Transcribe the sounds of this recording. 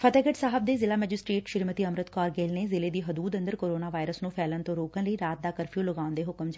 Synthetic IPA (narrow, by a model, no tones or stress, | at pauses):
pʰət̪ɛːɡəʈsaːɦəb̚d̪eːzɪlaːmɛːd͡ʒɪsʈɾeːʈʃɪɾmət̪iːəmɾət̪kɔːɾɡeːlneːzɪleːd̪iːɦəd̪uːd̪ə̃nd̪əɾkoːɾoːnaːʋaːɪɾəsnũːpʰɛːlənt̪õːɾoːkənləiːɾaːt̪̚d̪aːkəɾpʰijũːləɡaːʊnd̪eːɦʊkmd͡ʒa